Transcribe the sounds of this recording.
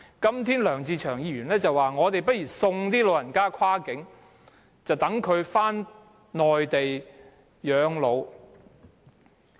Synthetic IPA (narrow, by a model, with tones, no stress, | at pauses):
kɐ˥mt̪ʰiː˥nlœː˨˩ŋt͡siː˧t͡ʃʰœː˨˩ŋjiː˧ɥyː˨˩nlɛː˥t͡sɐ˨waː˨˩ŋɔː˨˧t̪e˨jpɐ˥t̚jiː˨˩sʊ˧ŋt̪iː˥lo˧wjɐ˨˩nkaː˥kʰwaː˥kɪ˨˥ŋ | t͡sɐ˨wt̪ɐ˨˥ŋkʰɵ˨˧ɥfaː˥n | nɔː˨jt̪e˨j | jœː˨˧ŋlo˨˧w